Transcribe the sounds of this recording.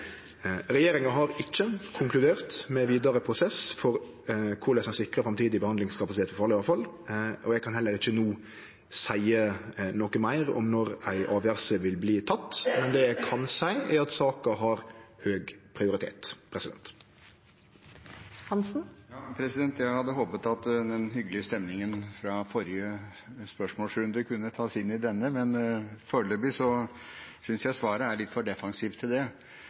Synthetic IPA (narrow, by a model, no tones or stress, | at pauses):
ɾɛjeːɾɪŋɑɦɑɾɪçːəkʰʊŋkʰlʉd̪eːʁt̪mɛʋiːd̪ɑɾəpʰɾʊsɛsfɔɾ | kʰʊɾlɛsɛsɪkɾɑfɾɑmt̪ʰiːd̪ɪbəhɑnd̪ɪŋskʰɑpɑsɪt̪eːt̪fɔfɑːlɭɪɑfɑlɔjæɡ̚kʰɑnhɛlːəɾɪçːənuː | sæɪənɔkəmæɪɾɔ̰mnɔɾæɪʔɑːʋjæɾsəʋɪlbliːt̪ʰɑt̪ːmɛnd̪ɛːjæɪkʰɑnsæɪæɾɑt̪sɑːkɑɦɑɾhøːɡpʰɾɪʊɾɪt̪ʰḛːt̪pʰɾɛsɪd̪ɛ̰nt̪ | hɑnsn̩jɑːpʰɾɛsɪd̪ɛnt̪jæɪhɑd̪ːəɦoːpət̪ɑt̪d̪ɛnɦʏɡːəlɪəst̪ɛmnɪŋənfɾɑfɔɾɪə | spœʂmoːlsɾʉnd̪əkʰʉnːət̪ʰɑːsɪnːɪd̪ɛnːəmɛnføːɭøbɪsɔ | sʏnsjæɪsʋɑːɾəæɭɪt̪fɔɖɛfɑŋsiːʋt̪ʰɪld̪ɛ